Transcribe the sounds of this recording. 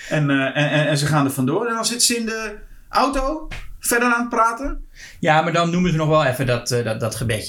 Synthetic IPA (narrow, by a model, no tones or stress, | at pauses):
ɛnɛɛɛnsəχaːndəfɔndoːɾɛndɔnsɪtəsəɪndə | ʔawtoːfɛrdəraːnt̚praːtə | jamadɔnːumənzənɔχʋɛlˠɛfədɔtdɔtχəbɛtjə